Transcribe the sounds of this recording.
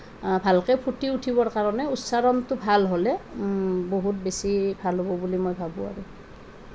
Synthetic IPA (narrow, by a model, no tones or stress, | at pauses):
bʱalkɛpʰutiutʰibɔɹkaɹɔnɛutsaɹɔntʊbʱalɦolɛ | boɦut̚besibʱalɦobɔbulimojbʱabua̰ɹu